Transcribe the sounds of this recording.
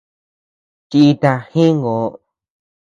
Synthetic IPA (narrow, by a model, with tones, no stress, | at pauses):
t͡ʃi˧i˧t̪a˧hĩ˦ŋɡo˨˧